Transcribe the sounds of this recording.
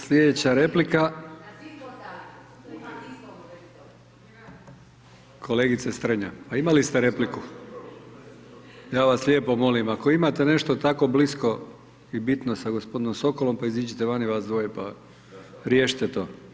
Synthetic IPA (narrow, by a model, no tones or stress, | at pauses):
slʲed̪et͡ɕaɾe̞plika | kʰo̞leɡit̪sest̪r̩ɲa̰paimalist̪eɾe̞pliku | jaːʋaslʲe̞ːpo̞mo̞limako̞imat̪e̞ne̞ʃt̪ot̪ako̞blisko̞ | ibit̪nosaɡospo̞d̪inomso̞ko̞lo̞mpaizid͡ʑit̪eʋaniʋasd̪ʋojepa̰ | ɾjeːʃi̥t̪et̪o̰ː